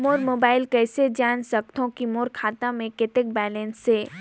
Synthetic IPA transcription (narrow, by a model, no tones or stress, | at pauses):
moːɾmoːbaːɪlkɛːsed͡ʒaːnsək̚t̪ʰõkimoːɾkʰaːt̪ãmẽkɪt̪ek̚bɛːlɛ̃nseː